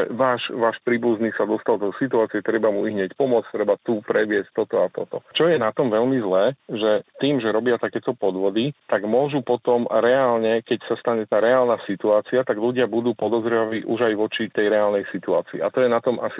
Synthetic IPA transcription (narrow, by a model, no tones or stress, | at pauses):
ɛʋaːʃʋaːʃpɾiːbuzniːsad̪ɔst̪ald̪ɔsit̪uaːt͡siɛt̪ɾɛbamuiɦɲɛcpɔmʊɔt͡st̪ɾɛbat̪upɾɛʋɪɛsc̚t̪ɔt̪ɔat̪ɔt̪ɔt͡ʃɔjɛnat̪ɔmʋɛlmizlɛːʒɛt̪iːmʒɛɾɔbɪat̪akɛːt̪ɔpɔd̪ʋɔd̪it̪aɡmʊɔʒupɔt̪ɔmɾɛaːlɲɛkɛcsast̪aɲɛt̪aːɾɛaːlnaːsit̪uaːt͡siat̪aɡʎuɟɪabud̪uːpɔd̪ɔzɾɛʋaiːʔuʒajʋɔt͡ʃit̪ɛjɾɛaːlnɛjsit̪uaːt͡sḭːat̪ɔjɛnat̪ɔmʔa̰si